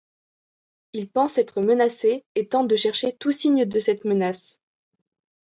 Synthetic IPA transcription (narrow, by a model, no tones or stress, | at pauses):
ilpɑ̃sɛt̪χəmənaseːt̪ɑ̃d̪əʃɛʁʃet̪usiɲd̪əsɛt̪mənas